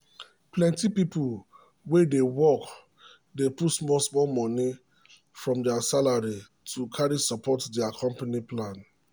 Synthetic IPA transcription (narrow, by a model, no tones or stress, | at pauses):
plɛ̃ntipipu | wedewɔk | deputsmɔsmɔmɔni | fɹɔ̃mdɛasalaɹi | tʰukʰaɹisɔpʰɔtdɛakʰɔ̃mpaniplãn